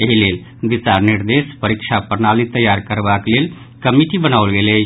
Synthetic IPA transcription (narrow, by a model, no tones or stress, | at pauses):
eɦilel | bit͡ʃaɾniɾd̪espəɾikt͡ʃʰapəɾnalit̪əjaɾkəɾbaklel | kəmiʈibənawlɡele